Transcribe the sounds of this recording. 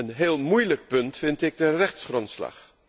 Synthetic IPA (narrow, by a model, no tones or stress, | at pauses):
ənɦeːlˠmujlək̚pɵntfɪntɪɡ̚dərɛχtsχrɔntsla̰χ